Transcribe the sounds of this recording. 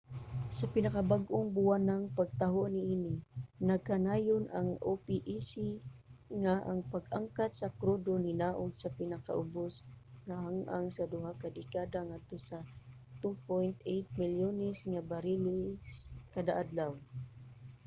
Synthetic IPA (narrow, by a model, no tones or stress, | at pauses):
sapɪnakabaɡʔʊŋbʊwanaŋpaɡ̚t̪aɦoʔniʔinɪnaɡ̚kanaːjonʔaŋʔopiʔisiŋaʔa̰ŋpaɡʔaŋkat̪sakɾod̪oninaʔoɡsapɪnaka̰ʔʊbosŋahaŋʔa̰ŋsad̪ʊɦakad̪ɪkad̪aŋad̪̚t̪osa | t̪upojnt̪ejt̪̚mɪljonɛsŋabaɾilɪskad̪aʔad̪law